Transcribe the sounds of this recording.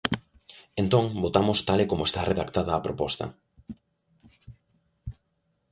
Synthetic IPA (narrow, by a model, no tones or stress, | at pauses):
ent̪õŋbot̪amʊst̪alekomoest̪areðakt̪aðɐːpɾopɔst̪ɐ̰